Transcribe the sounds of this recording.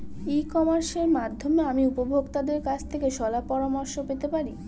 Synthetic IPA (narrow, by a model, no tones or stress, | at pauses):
ikɔmaɾʃeɾmad̪ʱːomeamiupobʱoɡt̪ad̪eɾkat͡ɕʰt̪ʰekeʃɔlapɔɾamoɾʃopet̪epaɾi